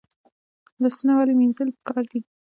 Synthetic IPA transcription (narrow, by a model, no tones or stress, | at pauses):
d̪əsnawaleminzəlpə̥kɑɾd̪i